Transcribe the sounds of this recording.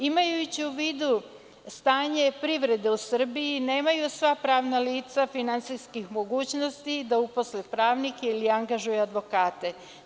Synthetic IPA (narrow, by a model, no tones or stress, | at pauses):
imajut͡ɕiuʋiːd̪u | st̪aːɲe̞pɾiʋɾe̞d̪e̞usr̩bijine̞ːmajusʋapɾaːʋnaliːt̪safinant̪siskixmo̞ɡuːt͡ɕno̞st̪id̪aupo̞slepɾaːʋnikeiliaŋɡaʒujead̪ʋo̞kaːt̪e̞